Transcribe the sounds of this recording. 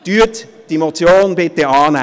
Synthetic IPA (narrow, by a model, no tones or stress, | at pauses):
d̥yːətd̥imot͡sjoːnbɪt̪eɑːnɛ